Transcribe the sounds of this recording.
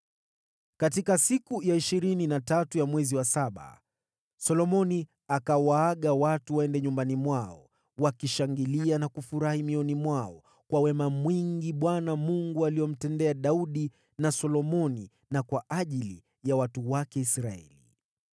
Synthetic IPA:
katikasikujaiʃiɾininatatujamwɛziwasaɓa̰ | sɔlɔmɔni | akawaːɠawatuwaɛndɛɲumbanimwaɔ̰ | wakiʃaŋɡilianakufuɾahimiɔnimwaɔ̰ | kwawɛmamwiŋɡiɓwanamuŋɡualijɔm̩tɛndɛaɗauɗi | nasɔlɔmɔni | nakwaʔaʄilḭ | jawatuwakɛisɾaɛ̰li

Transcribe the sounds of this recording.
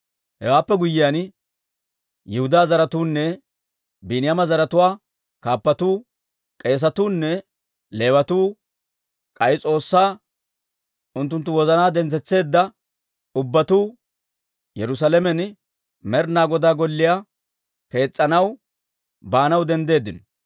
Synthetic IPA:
hɛwaːpːɛɡʊjːɪjan | jɪhʊd̪aːzɐɾɐt̪uːnːɛ | binɪjɐmɐzɐɾɐt̪ʊwaː | kaːpːɐt̪uː | kʼe̞ːs̬ɐt̪uːnːɛ | le̞ːwɐt̪uː | kʼɐjt͡sʼo̞ːsːaː | ʔʊnt̪ːʊnt̪ːʊwɔzɐnaːd̪ɛnt͡sɛt͡sːe̞ːd̪ːɐ | ʊbːɐt̪uː | jɛɾʊs̬alɛmɛn | mɛɾnaːɡɔd̪aːɡɔlːɪja | ke̞ːt͡sʼːɐnɐw | baːnɐwd̪ɛnd̪e̞ːd̪ːɪnɔ

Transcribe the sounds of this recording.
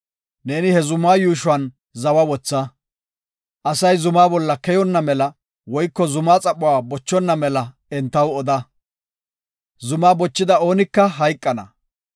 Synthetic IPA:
ne̞ːnɪhɛzʊmːaːjuːʃʊɐn | zɐwɐwɔt͡sːɐ | ʔɐsɐjzʊmaːbɔlːɐkɛjɔnːɐmɛlɐ | wɔjkːɔzʊmaːt͡sʼɐpʼːʊwaːbɔt͡ʃːɔnːɐmɛlɐ | ɛnt̪ːɐwɔd̪ɐ | zʊmaːbɔt͡ʃːɪd̪ɐo̞ːnɪkːɐɦɐjkʼːɐnɐ̰

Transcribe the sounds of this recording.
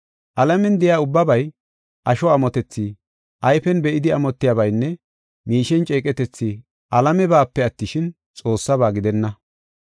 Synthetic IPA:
ʔɐlɐmɛnd̪ɛjaːʊbːɐbɐj | ʔɐʃɔɐmɔt̪ɛt͡sːi | ʔɐjfɛnbɛʔɪd̪ɪɐmɔt̪ːɪjabɐjnːɛ | miːʃɛnt͡ʃʼeːkʼɛt̪ɛt͡sːi | ʔɐlɐmɛbaːpːɛɐt̪ːɪʃɪn | t͡sʼo̞ːsːɐbaːɡɪd̪ɛnːɐ

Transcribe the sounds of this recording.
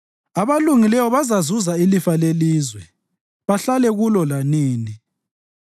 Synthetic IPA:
aβaluŋilɛwɔβazazuzailifaleliːzwɛ | βaɬalɛɣulɔlaniːni

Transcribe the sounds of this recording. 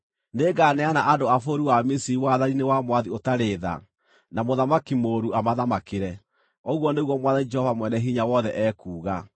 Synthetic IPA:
neɡanɛanaʔadoafoɾiwamisiɾiwaðaɾinewamwaðiotaɾeːða̰ | namoðamakimoːɾuamaðamakeɾɛ | ɔɣwɔneɣwɔmwaðanid͡ʒɛhɔvamwɛnɛɦiɲawɔðɛʔɛːkuːɣa

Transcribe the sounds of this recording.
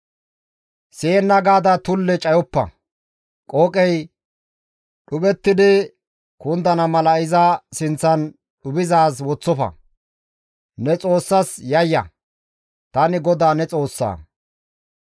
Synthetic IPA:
seːnːɐɡaːd̪ɐt̪ʊlːɛt͡ʃʼɐjɔpːɐ̰ | kʼoːkʼɛj | ɗʊbɛt̪ːɪd̪ɪ | kʊnd̪ɐnɐmɐlɐɪzɐsɪnt͡sːɐn | ɗʊbɪzaːswɔt͡sːɔfɐ̰ | nɛt͡sʼo̞ːsːɐsjɐjːɐ̰ | t̪ɐnɪɡɔd̪aːnɛt͡sʼo̞ːsːa̰ː

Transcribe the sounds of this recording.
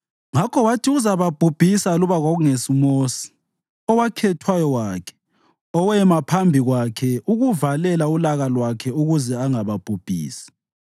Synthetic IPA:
ŋakʰɔwatʰʼiuzaβab̥ʱub̥ʱisaluβaɣaɣuŋesimoːsi̥ | ɔwakʰɛtʰwajɔwaːkʰɛ̥ | ɔwɛmapʰambʱiɣwakʰɛuɣuvalɛlaulaɣalwakʰɛuɣuzɛaŋaβab̥ʱub̥ʱḭːsi̥

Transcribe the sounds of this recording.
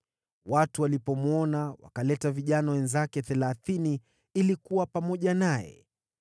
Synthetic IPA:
watuwalipɔmɔnawa̰kalɛtaviʄanawɛnzakɛθɛlaθini | ilikuwapamɔʄanajɛ̰

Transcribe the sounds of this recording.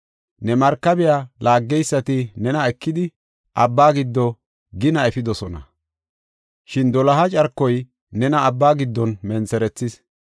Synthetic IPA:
nɛmɐɾkːɐbɪjalʔaːɡːɛjsːɐt̪ɪnɛnɐɛkːɪd̪ɪ | ʔɐbːaːɡɪd̪ːɔ | ɡɪnɐɛfɪd̪ɔsɔnɐ̰ | ʃɪnd̪ɔlɐɦɐt͡ʃʼɐɾkːɔj | nɛnɐːbːaːɡɪd̪ːɔnmɛnsɛɾɛt͡sːɪs

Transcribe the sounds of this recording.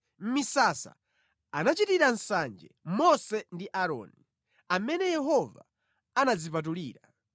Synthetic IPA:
m̩misasa̰ | anat͡ʃitiɾan̩sand͡ʒɛ̰mɔsɛndiʔaɾɔ̰ːni | amɛnɛjɛɦɔva̰ | anad͡zipat̬uliːɾa

